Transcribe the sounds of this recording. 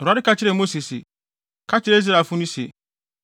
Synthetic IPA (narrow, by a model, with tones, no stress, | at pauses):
ɾa˦ɪ˦ka˦t͡ɕɪ˦ɾe˦˨mo˦si˨sɪ̰˨ | kʰa˦t͡ɕɪ˦ɾe˦za˨fʊ˦nĩ˦sḛ˨